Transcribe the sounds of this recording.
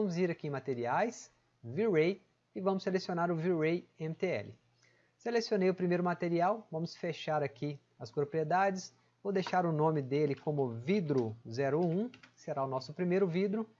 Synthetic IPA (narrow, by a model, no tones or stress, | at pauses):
ɐ̃mʊziɾakiẽmat̪eɾiajs | viɾej | ɪvɐ̃mʊsːelesionaɾʊviɾejẽmɪt̪eɛ̰lɪ̰ | selesionejʊpɾimejɾʊmat̪eɾiawvɐ̃mʊsfeʃaɾaki | ɐspɾopɾied̪ad͡ʒɪs | owd̪ejʃaɾʊnõmɪd̪elɪkõmʊvid̪ɾʊzɛɾʊũseɾaʊnɔsʊpɾimejɾʊvid̪ɾʊ